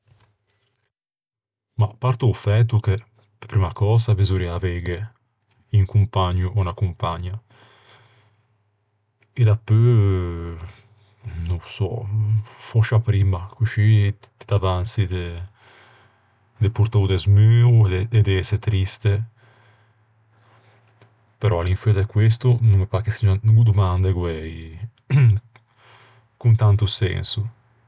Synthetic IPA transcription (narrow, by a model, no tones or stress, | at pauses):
mapaɾt̪uːfɛt̪̬uke | pɾimakɔzabezuɾiavɛɡe | iŋkumpaɲuʔɔnakumpaɲa | ed̪apːø | nusɔ̰ | fɔʃapɾiːmakuʃi | t̪i̥d̪avant̪sid̪e | d̪epuɾt̪oud̪ɛzmyːud̪ɛd̪eset̪ɾist̪e | peɾʔɔaliɱfɛd̪ɛkwes̬t̪unumepaɾkesiaɡud̪umand̪eɡwɛj | kunt̪ant̪usɛ̰nsu